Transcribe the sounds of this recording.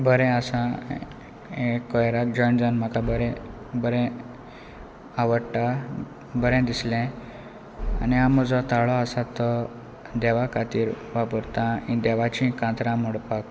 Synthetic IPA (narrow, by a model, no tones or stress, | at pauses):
bəɾɛ̃asã | ekːɔjɾak̚d͡ʑɔjnd͡zanm̤akabəɾɛ̃ | bəɾɛ̃ | aʋəɽʈa | bəɾɛ̃d̪islɛ̃ | a̰niamɔd͡zɔt̪aɭɔasat̪ɔ | d̪ɛʋakat̪iːɾ | ʋapəɾt̪ãĩd̪ɛʋat͡ɕĩkãt̪ɾãmoɽpak